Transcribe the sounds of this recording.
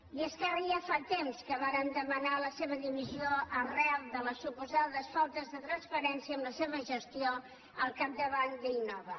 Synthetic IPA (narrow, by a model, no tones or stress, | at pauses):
ieskəriəfat̪emskəβaɾənd̪əmənaləseβ̞əðiβizioərɛwðələsupuzaðəsfɔlˠt̪əzðət̪ɾənspəɾɛnsiəmləseβəʒəst̪io | əlˠkap̚d̪əβand̪əinɔβə